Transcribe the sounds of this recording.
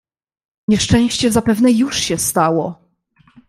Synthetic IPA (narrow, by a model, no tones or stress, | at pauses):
ɲɛʂt͡ʂɛ̃w̃ɕt͡ɕɛzapɛvnɛjuʂɕɛst̪awɔ